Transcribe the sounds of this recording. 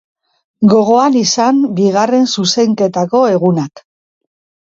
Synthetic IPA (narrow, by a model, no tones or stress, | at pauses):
ɡo̞ɣo̞anisambiɣare̞nsuse̞ŋke̞t̪ako̞e̞ɣunak